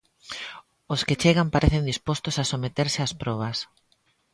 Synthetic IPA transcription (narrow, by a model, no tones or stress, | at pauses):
osket͡ʃeɣampaɾeθend̪ispɔst̪ʊsasomet̪eɾsɪaspɾɔβ̞ɐs